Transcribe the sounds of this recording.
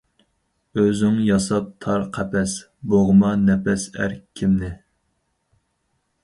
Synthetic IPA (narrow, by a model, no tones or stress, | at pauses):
øzyŋjɑsɑp̚t̪ʰɑɾqʰɛpɛs | boʁəmɑnɛpɛsæ̰ɾkʲʰːimnɪ